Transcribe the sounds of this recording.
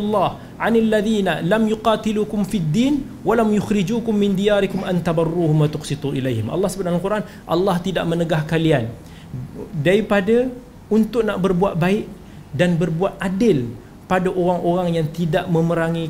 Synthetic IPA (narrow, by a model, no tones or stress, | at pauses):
lːɑh | ʕanalːaðiːnalamjʊqɑt̪iluːkʊmfid̪ːiːn | walamjʊxɾid͡ʒuːkʊmːɪnd̪ijaːɾɪkʊmʔant̪abɑrːuːhʊmwat̪ʊqsit̪ˤuʔilajɦɪmʔɑ̰lːɑhsəbananalkuɾʔan | ʔɑ̰lːɑht̪ida̰ʔmənəɡahkalian | daɾipada | unt̪ʊʔnaʔbərbuaʔ̪̚baɪʔ | danbərbuat̪̚adɪl | padaʔoɾaŋoɾaŋjaŋt̪idaʔmə̃məɾaŋi